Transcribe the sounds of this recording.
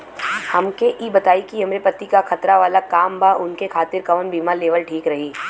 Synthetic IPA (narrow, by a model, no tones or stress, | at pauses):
hɐmkeʔiːbɐt̪aːikiɦɐmɾepɐt̪ikaxɐt̪ɾaʋaːlakaːmbʱaʔʊnkekʰaːt̪ɪɾkɐʋənbʱiːmaleːʋəlʈʰiːkɾɐɦiː